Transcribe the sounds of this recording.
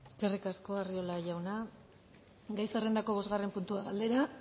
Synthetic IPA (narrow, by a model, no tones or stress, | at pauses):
eske̞rikasko̞ario̞laʝawna | ɡajsere̞nd̪ako̞β̞o̞zɣarempunt̪uaɣald̪e̞ɾa